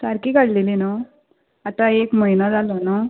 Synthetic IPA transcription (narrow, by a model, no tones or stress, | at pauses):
saɾkikaɽlelina | at̪ãekməjnad͡zalona